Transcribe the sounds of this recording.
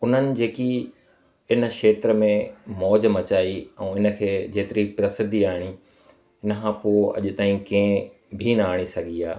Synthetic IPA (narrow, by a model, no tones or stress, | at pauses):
ʊn̤ənɪ̆d͡ʑeːki | ɪnə̆ʃeːt̪ɾəmẽmɔːd͡ʑmɐt͡ɕaːiɛ̃ːɪnə̆kʰeːd͡ʑeːt̪ɪɾipɾɐsɪd̪ʱiaːɦɪɽ̃i | ɪnəkʰãpoːɐ̰ʄ̆t̪aːĩkẽ | bʱinɐaːɽ̃isɐɡʱiaː